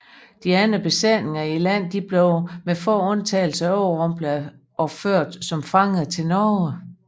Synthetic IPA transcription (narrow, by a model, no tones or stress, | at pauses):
d̥iæn̩b̥e̝sene̝ŋɐilæn̰d̥ib̥leʊmefɒ̰ːɔ̽nt͡sʰɛ̰ːl̩səɒʊʁɔmb̥lə | ʔɒ̽føɐ̰d̥sɒ̽mfɑ̈ŋð̩ˠt͡sʰe̝lnɒː